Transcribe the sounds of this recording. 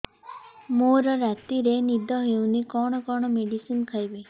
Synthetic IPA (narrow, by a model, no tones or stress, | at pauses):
moɾɾat̪iɾenid̪ʱɔɦewnikɔɳ̃ɔkɔɳ̃ɔmeɖisinkʰajbi